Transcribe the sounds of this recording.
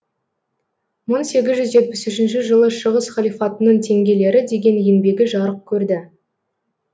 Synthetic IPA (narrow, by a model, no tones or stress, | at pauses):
məɴse̞ɡʲɪzʒʏzʒe̞t̪̚pɪsʏʃɪnʃɪʒəlˠəʃəʁəsχɑlʲijfɑt̪ənəɴt̪ʰe̞ŋɡʲe̞le̞ɾɪd̪e̞ɡʲe̞nje̞nbe̞ɡʲɪʒɑɾəq̚kʲʰɵɾd̪ɪ